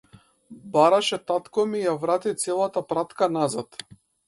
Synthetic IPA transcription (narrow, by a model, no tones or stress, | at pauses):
baɾaʃɛt̪at̪kɔmijavɾat̪it̪sɛlˠat̪apɾat̪kanazat̪